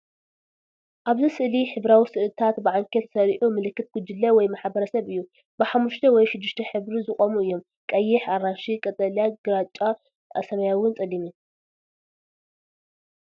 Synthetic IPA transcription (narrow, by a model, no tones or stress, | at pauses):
ʔaβzisɨʔliħɨβɾawisɨʔlɨt̪ʰat̪bɨʕaŋkʰet̪sɐɾʔumɨlɨkːɨt̪̚ɡ̥ud͡ʒ̪ɨlːɐwɔjmaħbɐɾɐsɐβɨjːu | bɨħamːuʃt̪ʰɐwɔjʃɪd̪ːɨʃt̪ʰɐħɨβɾizɨχʼomuɨjːo̞m | kʼɐjːɪħaranʃikʼɐt̪ʼɐljaɡɨɾat͡ʃʼa | sɐmɐjawʊnt͡sʼɐlimi